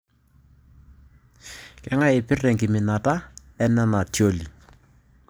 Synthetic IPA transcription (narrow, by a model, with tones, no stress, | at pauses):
kɛ˦ŋa˦ɪ˨pɪ˦rɛ˨ŋɡɪ˨mɪ˨na˨ta˦ | ɛ˦nɛ˦na˨tjo˦li˨